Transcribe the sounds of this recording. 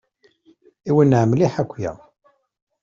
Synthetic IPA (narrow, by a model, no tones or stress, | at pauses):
iwənːəʕəmliħækʷːjæ̰